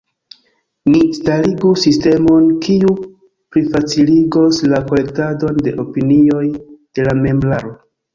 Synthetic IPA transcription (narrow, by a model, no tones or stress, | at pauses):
nistaliɡusiste̞mo̞nkʰiu | pɾifat͡siliɡo̞slako̞le̞k̚tado̞nde̞ʔo̞pinio̞jd̥e̞lame̞mblaɾo̞